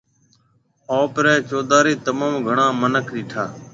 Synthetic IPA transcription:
oːpɾɛːt͡ʃoːd̪aːɾiːt̪əmaːmɡʱəɳãːmənəkʰɗiːʈʰaː

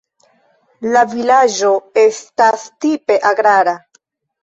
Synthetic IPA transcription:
lavilad͡ʒo̞e̞stastipe̞ʔaɡɾaɾa

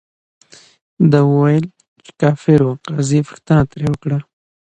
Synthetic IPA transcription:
d̪awəwajəl | t͡ʃe̥kɑfɪɾwaqɑzifə̥xt̪ənat̪ɾewəkɽa

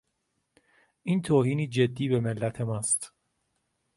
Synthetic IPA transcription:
ʔiːnt̪ʰoːhiːniːd͡ʒed̪ːiːbemelːæt̪ʰe̞mɒːst̪

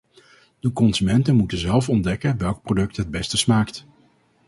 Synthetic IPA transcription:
d̥əkɔnzymɛntənmutəzɛlˠfɔndɛkənʋɛlˠk̚prodɵk̚tɦəd̚bɛstəsmaːkt

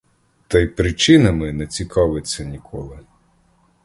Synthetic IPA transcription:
t̪ɛjpɾɪt͡ʃɪnɐmɪnɛt͡sʲikʰɑʋɪt͡sʲːɐnʲikʰɔlˠɪ

